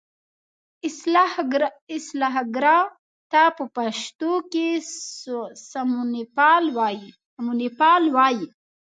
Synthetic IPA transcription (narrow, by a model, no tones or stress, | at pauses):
ɪslaɦɡɾɑ | t̪apəpaʃt̪oke | samnpɑlwɑji | munipɑlwɑji